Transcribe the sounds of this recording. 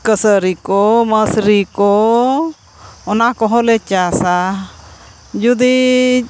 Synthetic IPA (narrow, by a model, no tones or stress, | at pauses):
kəsəɾikɔməsɾikɔ | ɔnakɔɦɔ̃lɛt͡ʃasa | d͡ʒud̪i